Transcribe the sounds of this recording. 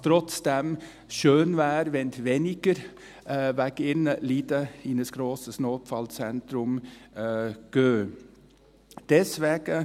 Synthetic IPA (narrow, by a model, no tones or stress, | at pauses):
t̪ʰɾɔt̪sd̪ɛm | ʃøːnʋæːɾʋɛnt̪ʋɛnɪkəɾ | ʋækɪnəliːd̪əinəsɡ̥ɾoːsəsnoːpfɑlsɛnt̪ɾʊm | ɡ̥øː | d̪̥ɛsʋɛɡ̥ə